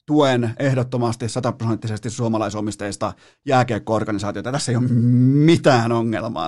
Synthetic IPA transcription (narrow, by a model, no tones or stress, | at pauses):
t̪uenehdot̪ːomɑst̪issɑt̪ɑprosent̪ːisest̪issuomɑlɑisomist̪ɑist̪ɑ | jæːkeːkːoorɡ̥ɑnisɑːt̪iot̪ɑt̪æsːeijommit̪æːnoŋːḛlmɑ̰ː